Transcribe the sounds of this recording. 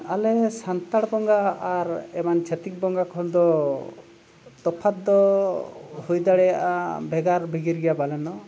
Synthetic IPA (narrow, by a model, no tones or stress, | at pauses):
alɛsant̪aɽbɔŋɡaːɾɛmant͡ʃʰɛt̪ik̚bɔŋɡakʰɔnd̪ɔ | t̪ɔpʰat̪̚d̪ɔ | hujd̪aɽɛjaʔa̰bʱɛɡaɾbʱiɡiɾɡɛjabalɛnɔ